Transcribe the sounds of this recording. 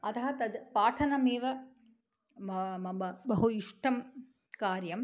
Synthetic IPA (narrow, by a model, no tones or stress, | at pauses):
ɐt̪ɐɦɐt̪ɐd̪paːʈʰɐnɐmeːʋɐ | mmɐbɐbɐɦuiʂʈɐm | kaːɾjɐm